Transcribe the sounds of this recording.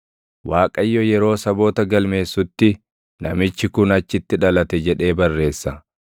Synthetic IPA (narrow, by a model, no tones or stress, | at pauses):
waːkʼɐjːɔjɛɾo̞ːsɐbo̞ːt̪ɐɡɐlme̞ːsːʊt̪ːɪ | nɐmɪt͡ʃːɪkʊnɐt͡ʃːɪt̪ːɪᶑɐlɐt̪ɛd͡ʒɛᶑe̞ːbɐrːe̞ːsːɐ